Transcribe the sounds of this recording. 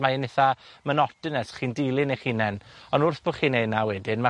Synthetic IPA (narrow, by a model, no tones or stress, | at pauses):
maɪnɪθamənɔtɨnɛsχiːndilˠɨnejχiːnɛnɔnʊrθb̥oχiːnejnawɛdɪnma